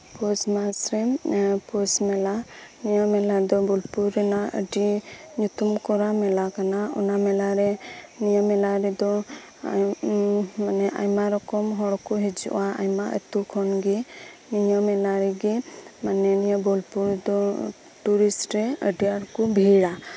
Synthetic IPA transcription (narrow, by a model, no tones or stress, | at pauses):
pɔsmasɾɛpɔsmɛlanijɔmɛlad̪ɔbɔlpuɾɛnaʔə̰ɖiɲut̪umkɔɾamɛlakanaṵnamɛlaɾɛnijɔmɛlaɾɛd̪ɔ | manɛʔa̰jmaɾɔkɔmɦɔɽɔkɔɦɛd͡ʒṵʔwaa̰jmaʔə̰t̪ukʰɔnɡɛ | nijɔmɛlaɾɛɡɛmanɛnijɔbɔlpuɾd̪ɔ | ʈuɾisʈɾɛə̰ɖiaɾkɔbʱiɽa